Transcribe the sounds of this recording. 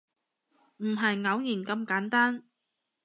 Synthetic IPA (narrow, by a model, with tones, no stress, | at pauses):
m̩˨˩ɦɐ˨jŋɐ˨˥wjiː˨˩nkɐ˧mkaː˨˥nt̪aː˥n